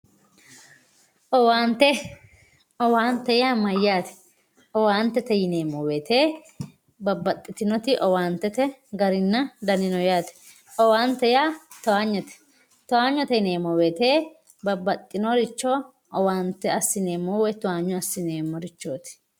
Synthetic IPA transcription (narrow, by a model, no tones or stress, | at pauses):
ʔɔwaːnt̪ɛ | ɔwaːnt̪ːɛjaːmɐjːaːt̪ɛ̥ | ɔwaːnt̪ɛt̪ɛjɪneːmɔweːt̪eː | bɐbːɐt̪ʼːɪt̪ɪnɔt̪ɪʔɔwaːnt̪ːɛt̪ɛɡɐɾɪnːɐd̪ɐnɪnɔjaːt̪ɛ̥ | ɔwaːnt̪ːɛjat̪ɔwaːɲːɔt̪ɛ̥ | t̪ɔaːɲːɔt̪ɛjneːmːɔweːt̪eː | bɐbːɐt̪ʼːɪnɔɾɪt͡ʃːɔ | ɔwaːnt̪ːɛɐsːɪneːmɔwɛt̪ʊaːɲːɔɐsːɪneːmːɔɾɪt͡ʃːoːt̪ɛ̥